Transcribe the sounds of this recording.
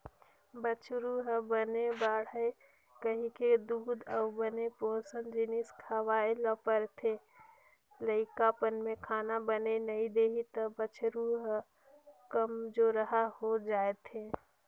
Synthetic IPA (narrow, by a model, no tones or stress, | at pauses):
bət͡ʃʰɾuɦbənebaːɽ̤ae | kəɦĩked̪uːd̪əʊbənepoːsənd͡ʒɪniskʰaʋaːeləpəɾt̪ʰe | ləɪkapənmẽkʰaːnabənenɐĩd̪eːɦit̪əbət͡ʃʰɾuɦ | kəmd͡ʒoɾəɦaɦod͡ʒaːet̪ʰeː